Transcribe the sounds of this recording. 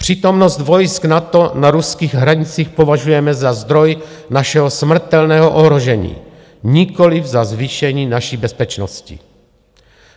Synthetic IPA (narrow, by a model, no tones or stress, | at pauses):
pr̥iːt̪omnost̪vojsknat̪onaɾuskiːɣɦɾaɲɪt͡siːxpovaʒujɛmɛzazd̪ɾoj | naʃɛɦosmr̩t̪ɛlnɛːɦoʔoɦɾoʒɛɲḭː | ɲikolivzazviːʃɛɲiːnaʃiːbɛspɛt͡ʃnoscḭ